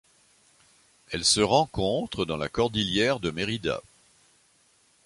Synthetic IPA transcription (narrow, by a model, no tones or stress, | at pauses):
ɛlsəʁɑ̃kɔ̃t̪χəd̪ɑ̃la̰kɔʁd̪iljɛʁd̪əmeʁid̪a̰